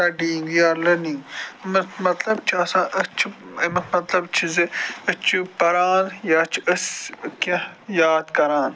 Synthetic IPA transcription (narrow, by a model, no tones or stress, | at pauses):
t̪ɐɖiːŋɡjaːɾlɐniːmɐmɐt̪lɐbt͡ʃʰɐsãːʔɐt͡ʃʰimɐmɐt̪lɐbt͡ʃʰizeɐt͡ʃʰupɐɾaːnjɐt͡ʃʰɐskɐjaːd̪kɐɾãːn